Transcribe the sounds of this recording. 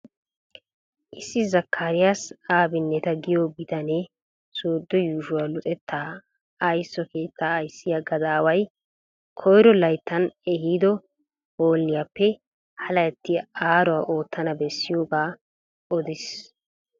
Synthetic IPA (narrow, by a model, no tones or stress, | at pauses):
ʔɪsːɪzɐkʰːaːɾɪjasaːbɪnːɛt̪ɐɡɪjɔɡɪd̪ɐnɛ | soːd̪ːɔjuːʃʊwalʊt̪ʼɛt̪ʰːaː | ɐjsːɔke̞ːt̪ːaːjsːɪjaɡɐd̪aːwɐj | kʰɔjɾɔlɐjt̪ːɐnɛhiːd̪ɔ | hoːlnɪjapːɛ | hɐlɐjɐt̪ːɪaːɾɔwaʔo̞ːt̪ːɐnɐbɛsːɪjoːɡaː | ɔd̪ɪs